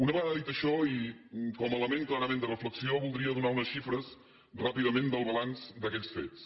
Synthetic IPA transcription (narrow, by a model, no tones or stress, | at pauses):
unəβəaaðit̪əʃɔikɔmələmeŋklˠaɾəmẽnd̪ərəfləksioβulˠd̪ɾiəðunaunəsʃifɾəs | rapiðəmend̪əlˠβəlansd̪əkɛʎsfḛt͡s